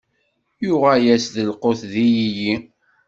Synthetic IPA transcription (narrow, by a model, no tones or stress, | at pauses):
jʊʁæjæsðəlqoθðijiji